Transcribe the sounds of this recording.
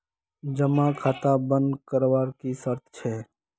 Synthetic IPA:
d͡ʒəmãkʰaːt̪abə̃nd̪kəɾwaːɾkisəɾt̪ʰt͡ʃʰɛː

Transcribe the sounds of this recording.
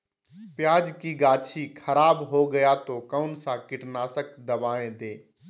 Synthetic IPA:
pjaːd͡ʒkiɡaːt͡ʃʰikʰɐɾaːbɦoɡɐjat̪oːkəʊnsãkɪʈnaːsəkd̪ɐbaːẽd̪eː

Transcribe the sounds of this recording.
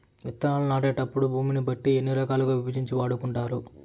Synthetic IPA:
ʋit̪ːɐnaːlɐnaːʈ̬eːʈɐpːuɽubʱuːminibɐʈːienːiɾɐkaːlɐkɐːʋibɐd͡ʒiɲt͡ʃiʋaːɽukuɳʈaːɾu

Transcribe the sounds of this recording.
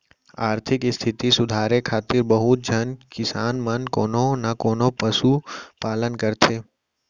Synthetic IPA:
aːɾt̪ʰɪkst̪ʰɪt̪isʊd̪ʱaːɾekʰaːt̪ɪɾbəɦʊt̪̚d͡ʒʱənkɪsaːnmənkoːnonakoːnopəsupaːlənkəɾt̪ʰeː

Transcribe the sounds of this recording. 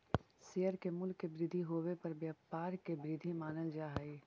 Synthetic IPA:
sejəɾkemʊlkːebɾɪd̪ʱiɦoːʋepɐɾbjaːpaːɾkebɾɪd̪ʱimaːnəld͡ʒaːɦaiː

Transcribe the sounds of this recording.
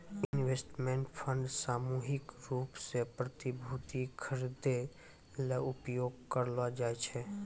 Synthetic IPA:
ɪnʋeːsʈmẽːɳʈpʰə̃ɳɖsaːmuɦɪkɾuːpsepɾət̪ibʱut̪ikʰəɾid̪e | leʊpjoːɡkəɾlad͡ʒaːet͡ʃʰɛ

